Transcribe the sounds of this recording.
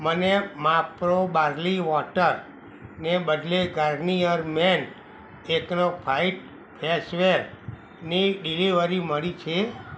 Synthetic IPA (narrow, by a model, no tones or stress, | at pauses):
mənemapɾobaɾliʋɔʈəɾ | nebəd̪leɡaɾnijəɾmen | eknopʰaiʈ̚ | pʰesʋeɾ | niɖiliʋəɾiməɭit͡ʃʰe